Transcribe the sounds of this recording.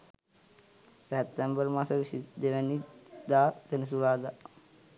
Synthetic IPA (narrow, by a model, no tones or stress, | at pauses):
sɛt̪ːembəɾmasɐʋisid̪eʋɐnid̪aːsenis̬uɾaːd̪a